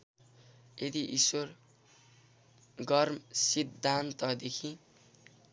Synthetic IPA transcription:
jed̪iʔiswʌr | ɡʌrmsid̪ʱːant̪ʌd̪ekʰĩ

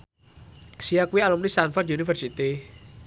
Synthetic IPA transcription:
siakwialɔmlist̪anfat̪junifərsit̪i

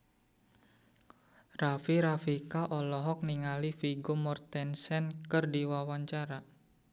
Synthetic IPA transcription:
rafiɾafikaʔɔlɔɦɔk̚niŋalifiɡomɔrt̪ɛnsɛnkɨrdiwawaɲt͡ʃaɾa

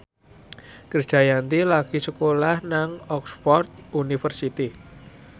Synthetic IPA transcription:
kər̥ʒ̥a̤jant̪ilaɡ̥i̤səkolahnaŋɔkspɔrt̪̚unifərsit̪i

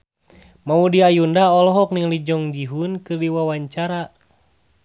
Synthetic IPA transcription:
maudiajundaɔlɔɦɔk̚niŋlid͡ʒɔŋd͡ʒiɦunkɨrdiwawaɲt͡ʃaɾa

